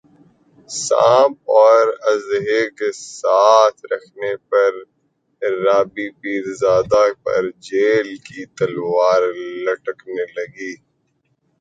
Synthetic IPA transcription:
sã̰ːb̚ɔːɾɐzɦekesaːt̪ʰɾɐkʰnepɐɾː | aːbipiːɾzaːd̪apɐ̰ɾd͡ʒeːlkit̪ɐlwaːɾlɐʈəknelɐɡiː

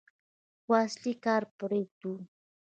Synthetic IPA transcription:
wasʎɪkaɾpʊɾɪt̪uː

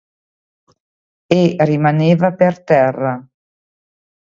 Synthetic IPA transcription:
erimaneːvapert̪ɛrːa

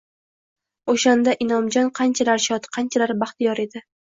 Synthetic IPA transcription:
oʃand̪aʔɪnɒmd͡ʒɒnqʰɑnt͡ʃʰalaɾʃɒt̪qʰɑnt͡ʃʰalaɾbɑχt̪ɪjɒɾe̞d̪ɪ

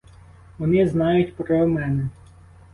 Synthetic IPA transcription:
ʋɔnɪznɑjʊtʲpɾɔwmɛnɛ

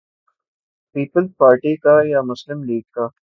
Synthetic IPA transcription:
piːpəlzpaːɾʈikajamʊslɪmliːɡ̚ka

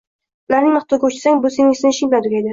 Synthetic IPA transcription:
ʊlaɾnɪŋnɨχt̪ʰɒɡʲaʊt͡ʃʰɪ̥saŋbʊsenɪŋsɪnɪʃɪŋlad̪ʊkʲed̪ɪ

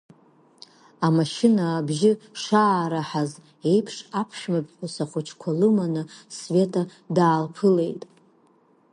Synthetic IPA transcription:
amaʃɪnaːbʒɪʂaːɾaħaz | e̞jpʰʂapʰʃᶣmapʰʼħʷʊsaχʷʊt͡ʃʰkʷʰalɨmanɨsve̞tʼa | daːlpʰɨle̞jtʼ

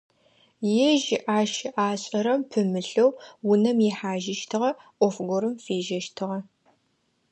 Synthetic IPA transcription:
jɛʒɪʔaːʃɪʔaːɕʼɐɾɐmpʰɨmɨɬɐwːʊnɐmjɛħaːʒɪʃtʰɨʁɐʔʷɔfɡʷʊɾɨmfeːʒɐʃtʰɨʁɐ

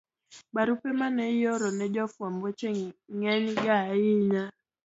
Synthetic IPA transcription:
baɾupɛmanɛjɔɾɔnɛd͡ʒɔfwambɔt͡ʃeŋŋɛɲɡaiɲa

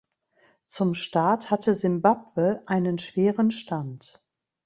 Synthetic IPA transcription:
t͡sʊmʃtaːthatəzɪmbapv̥əʔaɪnənʃv̥eːʁənʃtʰant

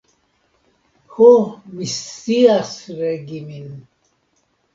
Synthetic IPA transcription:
hɔmisːiasɾɛɡimin

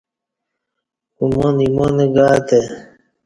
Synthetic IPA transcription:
umoːnimoːneɡaːt̪e

